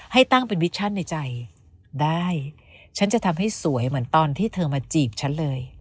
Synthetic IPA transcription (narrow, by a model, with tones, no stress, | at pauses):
ha˥˩jt̪a˥˩ŋpe˧nwi˦˥t̚t͡ɕʰa˥˩nːa˧jt͡ɕa˧j | daː˥˩j | t͡ɕʰa˦˥nt͡ɕa˨˩t̪ʰa˧mɦa˥˩jsu˩˦əjmɯ˩˦ənt̪ɔː˧nt̪ʰiː˥˩t̪ʰɤː˧maː˧t͡ɕiː˨˩p̚t͡ɕʰa˦˥nlɤː˧j